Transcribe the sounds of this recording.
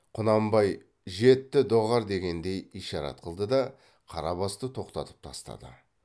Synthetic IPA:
qʰʊnɑmbɑj | ʒe̞t̪ːɪd̪o̞ʁɑɾd̪e̞ɡʲe̞nd̪e̞jijʃɑɾɑ̰t̪̚qʰəlˠd̪əd̪ɑ | qʰɑɾɑbɑst̪ət̪ʰo̞qt̪ɑt̪ə̥p̚t̪ʰɑ̰st̪ɑ̰d̪ə̰

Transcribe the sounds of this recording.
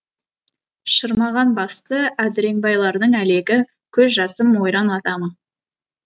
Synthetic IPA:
ʃəɾmɑʁɑnbɑst̪əæd̪ɪɾe̞ŋbɑjlˠɑɾd̪əɴæle̞ɡʲɪ | kʲʰɵzʒɑsəmwo̞jɾɑnɑt̪ɑmə

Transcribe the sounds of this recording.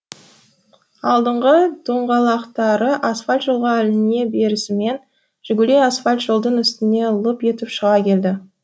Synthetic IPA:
ɑlˠd̪əɴʁəd̪̥oɴʁɑlˠɑqt̪ɑɾəʔasfalʲt̪ʒolˠʁɑælɪne̞be̞ɾɪsɪme̞n | ʒ̥ɪɡʲɪlʲeasfalʲt̪ʒ̥əlˠd̪əɴʏst̪ɪne̞lˠəpje̞t̪ɪpʃəʁɑkʲʰe̞ld̪ɪ

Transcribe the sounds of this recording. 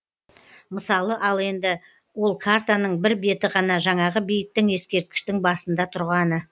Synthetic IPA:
məsɑlˠəʔɑlˠe̞nd̪ɪ | wo̞lˠkʰaɾt̪anəɴbɪɾbe̞t̪ɪʁɑnɑʒɑɴɑʁəbijɪt̚t̪ːɪŋe̞skʲe̞ɾt̪̚kʲɪ̥ʃt̪ɪŋbɑsənd̪ɑt̪ʰʊɾʁɑnə

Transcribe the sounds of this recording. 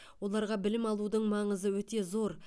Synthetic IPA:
wolˠɑɾʁɑbɪlɪmɑlˠud̪əɴmɑɴəzəwɵt̪e̞zo̞ɾ

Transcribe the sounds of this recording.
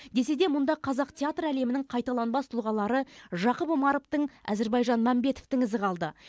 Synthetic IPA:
d̪e̞s̬e̞d̪e̞mʊnd̪ɑqʰɑzɑqt̪ʰʲeat̪ræle̞mɪnɪŋɴqʰɑjt̪ɑlˠɑnbɑst̪ʰʊlˠʁɑlˠɑɾəʒɑqəpomɑɾoft̪əɴæ̰ze̞ɾbɑjʒɑnmæmbe̞t̪o̥ft̪ɪŋɪzɪqʰɑlˠd̪ə

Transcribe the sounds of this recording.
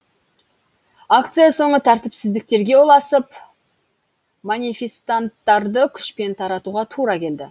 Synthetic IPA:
ak̚t̪sɨjaso̞ɴət̪ʰæɾt̪ɪpsɪzd̪ɪk̚t̪e̞ɾɡʲe̞wolˠɑsəp | manʲifʲe̞st̪ant̪ːɑɾd̪əkʲʰʏ̥ʃpe̞nt̪ʰɑɾɑt̪uʁɑt̪ʰuɾɑkʲʰe̞ld̪ɪ̰

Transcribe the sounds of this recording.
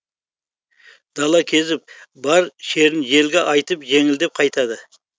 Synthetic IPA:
d̪̥ɑlˠɑkʲʰe̞zɪp̚bɑɾʃe̞ɾɪnʒe̞lɡʲe̞ʔɑjt̪əpʒe̞ŋɪld̪e̞p̚qʰɑjt̪ɑd̪ə

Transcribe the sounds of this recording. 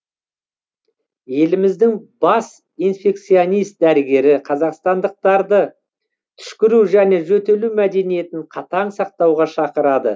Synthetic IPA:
je̞lɪmɪzd̪ɪŋbɑs | ijnfʲe̞k̚t̪sijonijst̪̚d̪æɾɪɡʲe̞ɾɪqʰɑzɑqst̪ɑnd̪əq̚t̪ɑɾd̪ə | t̪ʰʏ̥ʃkʲɪɾuwʒæne̞ʒɵt̪e̞lumæd̪e̞nije̞t̪ɪɴqʰɑt̪ɑɴsɑq̚t̪ɑwʁɑʃɑqəɾɑd̪ə̰

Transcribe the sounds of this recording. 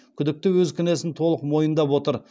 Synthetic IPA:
kʲʰʏd̪ɪk̚t̪ɪwɵzkʲʰʏne̞sɪnt̪ʰo̞lˠəqmo̞jənd̪ɑpwo̞t̪əɾ

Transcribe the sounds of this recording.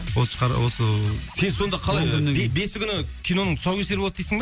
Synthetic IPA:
wosəʃqɑɾ̰wosəse̞nso̞nd̪ɑqʰɑlˠɑjebe̞sɪkʲʰʏnɪkʲʰijno̞nəɴt̪ʰʊ̥sɑwkʲeseɾblˠt̪d̪ejsəŋd̪

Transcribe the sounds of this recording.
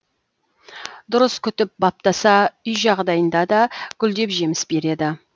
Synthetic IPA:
d̪ʊɾəskʲʰʏt̪ɪp̚bɑp̚t̪ɑsɑʏjʒɑʁd̪ɑjənd̪ɑd̪ɑɡʲʏld̪e̞pʒe̞mɪsbe̞ɾe̞d̪ɪ

